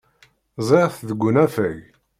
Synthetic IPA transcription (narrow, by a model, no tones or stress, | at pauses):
zˤeʁθðəɡʷːʊnæfæʝ